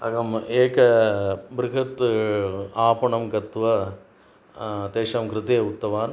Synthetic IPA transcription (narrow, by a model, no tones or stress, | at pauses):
ɐ̰ɣɐmeːkɐbɾɪɣɐt̪ː | aːpɐɳɐmkɐt̪ːʋɐ | t̪eːʂɐmkɾɪt̪eːʊt̪ːɐʋaːn